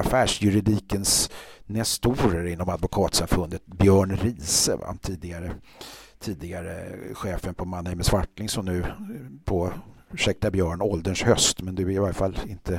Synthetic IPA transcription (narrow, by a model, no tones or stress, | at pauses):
afæːʂjɵɾɪd̪iːkənsnɛst̪uːɾəɾɪnːɔmad̪vʊkʰɑːt̪samfɵnd̪ət̪̚bjœːɳɾiːsə̰va̰t̪ʰiːd̪ɪɡaɾə | t̪ʰiːd̪ɪɡaɾə̰ɧeːfənpʰɔmanːɛməsvaʈlɪŋsɔmnʉ̟ːpʰoː | ʉʂɛk̚t̪abjœːɳɔld̪əɳʂhœst̪mɛnd̪ɵvɪɾɪvajəfalːɪnt̪ʰə